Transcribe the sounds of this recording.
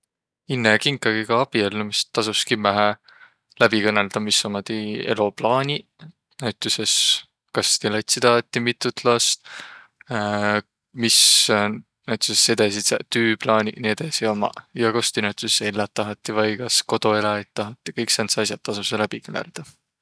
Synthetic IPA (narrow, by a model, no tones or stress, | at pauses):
inːekiŋkˑːɑɡikɑɑb̥ielːumist̪ːɑsuskimæɦæ | læb̥ikɤnːe̞ld̪̥ɑmisːɑmot̪ieloplɑːnʲi | næyt̪ːˑuses | kɑst̪elɑjt̪ʲsit̪ɑɦɑt̪ːimit̪ːˑut̪lɑst̪ | mis | næɥt̪ːˑusese̞d̪ɑsist̪yːplɑːnʲinie̞d̪̥ɑsio̞mɑ̰jɑkost̪inæwt̪ˑuseselːɑt̪ːɑɦɑt̪ːˑivɑjkɑsko̞d̪̥o̞elɑet̪ːɑɦɑt̪ːˑi̥kɤjksensɑjs̬ʲjɑt̪ːɑsuselæb̥ikɤnḛld̪̥ɑ